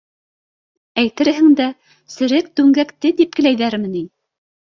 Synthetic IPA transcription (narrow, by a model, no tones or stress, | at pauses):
æjt̪ɘ̆ɾɦɘ̆ŋd̪æ | sɘ̆ɾɘk̚t̪ʉŋɡækt̪ɘt̪ip̚kɘ̆læjðæɾmɘ̆ni